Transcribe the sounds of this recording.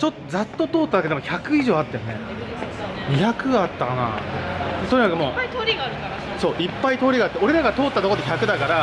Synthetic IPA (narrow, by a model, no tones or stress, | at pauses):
t͡ɕo̞t̪ːozat̪ːo̞t̪o̞ːt̪ːad̪aked̪emoçakɯ̟iʑo̞ːat̪ːajonḛ | ɲ̟içakɯ̟ɡaat̪ːakana̰et̪oɲikakɯmo̞ːt̪oɾʲiɡaɾɯkaɾ | so̞ːʔipːait̪o̞ːɾʲiɡaːt̪ːeo̞ɾe̞ɾaɡat̪o̞ːt̪ːat̪o̞kod̪eçʲakɯ̟d̪akaɾa